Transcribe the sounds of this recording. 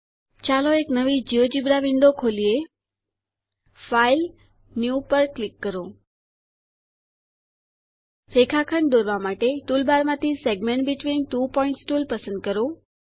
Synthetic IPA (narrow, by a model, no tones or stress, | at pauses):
t͡ʃaloeknəʋid͡ʒiod͡ʒibɾaʋiɳɖokʰolie | fail | njupəɾklikːəɾõ | fekʰakʰəɳd̪oɾʋamaʈeʈulbaɾmãt̪ʰiseɡmẽɳʈbiʈʋinʈupɔĩɳʈsʈulpəsə̃nd̪̚kəɾõ